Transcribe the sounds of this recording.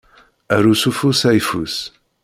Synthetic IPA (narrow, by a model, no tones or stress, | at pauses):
æɾusufusæjfus